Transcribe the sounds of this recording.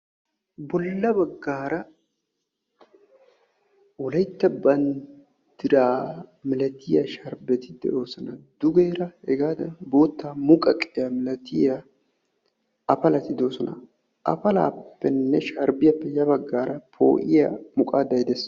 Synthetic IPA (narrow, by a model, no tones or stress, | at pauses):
bɔlːɐbɐɡːaːɾɐ | wɔlɐjt̪ːɐbɐn | d̪ɪɾaːmɪlɐt̪ɪjɐʃɐɾbɛt̪ɪd̪ɛ̰ʔo̞ːsɔnɐd̪ʊɡeːɾɐhɛɡaːd̪ɐ̰bo̞ːt̪ːaːmʊkʼɐkʼɪjamɪlɐt̪ɪja | ɐpɐlɐt̪ɪd̪o̞ːsɔnɐ̰ | ʔɐ̰pɐla̰ːpːɛnːɛʃɐɾbɪjɐpːɛjɐbɐɡːaːɾɐpʰo̞̰ːʔɪjɐmʊkʼaːd̪ɐjd̪ɛs